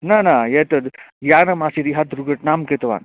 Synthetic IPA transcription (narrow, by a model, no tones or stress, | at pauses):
nanajet̪əd̪ | janəmasiɾiɦat̪ɾuɡəʈnamket̪ʋa̰n